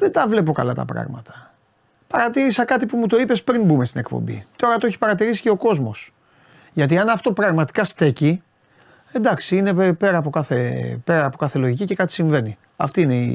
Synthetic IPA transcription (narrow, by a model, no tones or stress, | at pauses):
ðet̪ɐvle̞p̬o̞kɐ̰lɐt̪ɐ̰pɾɐ̰ɣmɐ̰t̪ɐ̥ | pɐɾɐt̪iɾisɐkɐt̪ipumut̪o̞ipe̞spɾinbumest̪ine̞kpo̰mbḭt̪o̞ɾɐt̪oeçi̥pɐɾɐt̪iɾisi̥ce̞o̞ko̞zmo̞s | ʝɐt̪̬iɐnɐft̪o̞pɾɐɣmɐt̪i̥kɐst̪e̞ci | e̞nd̪ɐksiine̞pe̞ɾɐːpo̞kɐθe̞pe̞ɾɐːpo̞kɐθe̞lo̞ʝicice̞kɐt̪i̥siɱve̞ni | ɐ̰ft̪iine̞ḭ